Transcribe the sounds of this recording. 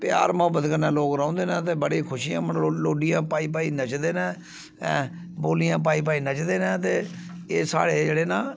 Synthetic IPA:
pja̰ːɾmʊɦəbːət̪kəɾnãːloːkɾãːnd̪eːnãːt̪eːbəɽeːkʰʊʃijãːməɳloːɖɪjãːpaːiːp̬aːiːnət͡ʃd̪eːnɛ̃ː | boːlijãːp̬aːiːp̬aːiːnət͡ʃd̪eːnɛ̃ːt̪eː | eːsa̰ːɽeːd͡ʒeːɽeːnaː

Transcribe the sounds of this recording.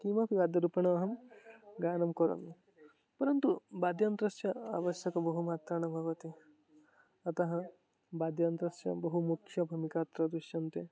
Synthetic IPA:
kimɐpʰiʋaːd̪jɐɾupɐɳɐɐɦɐmɡaːnɐmkɔɾɐ̰m | pɐɾɐnt̪ubaːd̪jɐnt̪ɾɐsjɐa̰ʋɐʃjɐkɐbɐɦumaːt̪ɾɐɳ̃ɐbʱɐʋɐt̪i | ɐt̪ɐɦɐ | baːd̪jɐnt̪ɾɐsjɐ̰bɐɦumukʰjɐbʱumikaːt̪ɾɐd̪ɾuʃjɐnt̪e

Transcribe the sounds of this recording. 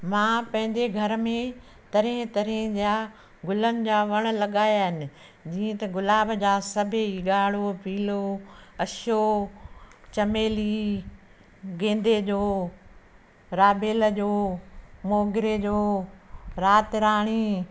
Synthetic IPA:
mãːpɐ̃ɦɪ̃ɲd͡ʑeɡʱɐɾmẽ | t̪ɐɾĩɦɪ̃t̪ɐɾĩd͡ʑaː | ɡʊlənɪ̆d͡ʑaːʋɐɽ̃̆lɐɠaːjaːɦɪnɪ̆ | d͡ʑiːə̃t̪ɐɡʊlaːbʱd͡ʑaːsɐbʱɪiɠaːɽ̤opiːloɐʃo | t͡ɕɐmeːli | ɡẽːnd̪ed͡ʑoː | ɾaːbʱeːləd͡ʑoːmoːɡɪɾed͡ʑoː | ɾaːt̪ɪɾaːɽ̃i

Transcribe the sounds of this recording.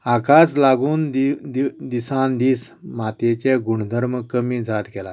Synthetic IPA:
akaslaɡuːnd̪d̪d̪isãnd̪iːs | mat̪et͡ɕeɡuɳ̤d̪ʱəɾməkəmiːd͡zʱat̪kɛla

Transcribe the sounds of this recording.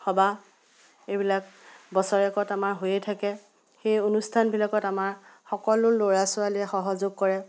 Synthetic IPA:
xɔba | ebilak̚bɔsɔɹɛkɔtamaɹɦojɛjtʰakɛ | xejonustʰanbilakɔtamaɹxɔkɔlʊloɹasʊaliɛxɔɦɔzoɡ̚kɔɹɛ

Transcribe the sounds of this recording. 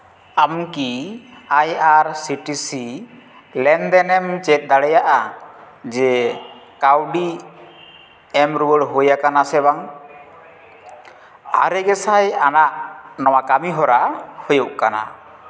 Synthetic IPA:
amkiajaɾsiʈisi | lɛnd̪ɛnɛmt͡ʃɛt̪̚ˀd̪aɽɛjaʔa | d͡ʒɛ | kawɖi | ɛmɾubəɽɦojakanasɛbaŋ | a̰ɾɛɡɛsajanaʔnɔwakamiɦɔɾahojɔʔkana̰

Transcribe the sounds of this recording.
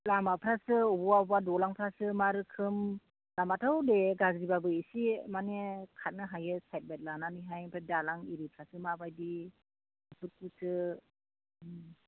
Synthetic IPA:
lamapʰɾasɯubɔwabadɔlaŋpʰɾasɯmaɾɯkʰɯm | lamatʰawdeɡazɡibabɯisimanekʰat̚nɯɦajɯsajt̚bajt̚lananiɦajpʰɾadalaŋiɾipʰɾasɯmabajdi | ɯpʰɯt̚kusɯ

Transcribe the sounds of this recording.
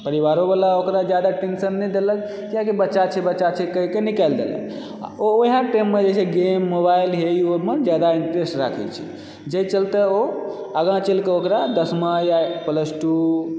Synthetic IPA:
pəɾiβaɾobalaokɾad͡ʒjad̪aʈensənːɛjd̪elək̚ | k̪ijãkebətːʃat͡ʃʰɛbətːt͡ʃat͡ʃʰɛkəɦikenikald̪ḛlɛ̰ | a̰ooɦãʈemːed͡ʒeseɡemːobailɦeomed͡ʒjad̪aiɳʈɾesʈɾa̰kʰɛ̰t͡ʃʰḭ | d͡ʒeit͡ʃəlt̪eo | əɡãt͡ʃelkeokɾad̪əsmajapələsʈu

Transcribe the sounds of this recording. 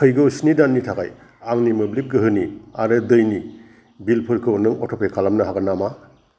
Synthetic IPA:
kʰɯjɡɯujsnidanːitʰaka̰j | aŋnimɯblip̚ɡɯɦɯniaɾɯdɯjni | bilpʰɯɾkʰɯwnɯŋɔtʰɔpʰekʰalamnɐɦaɡanama

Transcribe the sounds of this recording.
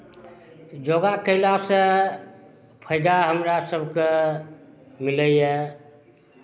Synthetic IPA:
d͡ʒoɡakəɪlasə̃ | pʰəɪd̪aɦəmɾasəbʱke | miləjɛ

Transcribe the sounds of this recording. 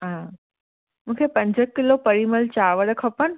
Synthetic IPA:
ɦã | mũːkʰepə̃ɲd͡ʑəkkːilopəɾiməlt͡ɕaʋəɽəkʰəpən

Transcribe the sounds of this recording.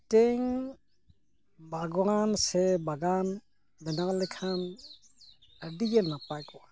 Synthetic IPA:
tɛŋ | baɡwansɛbaɡan | bɛnalɛkʰan | ədiɡɛnapajkɔwa

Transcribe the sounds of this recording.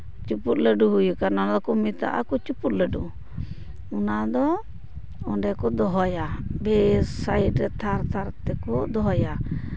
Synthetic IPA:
t͡ʃuput̪̚ləɖuɦujukanɔnd̪ɔkumit̪a̰ʔa̰kɔt͡ʃuput̪̚ləɖu | unad̪ɔ | ɔɳɖɛkɔd̪ɔɦɔjabɛsaiʈɾɛt̪ʰaɾt̪ʰaɾt̪ɛkɔd̪ɔɦɔja

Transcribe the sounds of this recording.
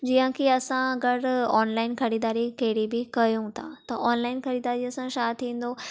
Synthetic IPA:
d͡ʑiːə̃kʰiɐsãɐɡəɾɔːnlaːɪnkʰɐɽiːd̪aːɾikɐɦɪɽibɪkɐjũt̪ʰat̪ɐʔɔːnlaːɪnkʰɐɽiːd̪aːɾiɐsãʃaːt̪ʰĩːn̆d̪o

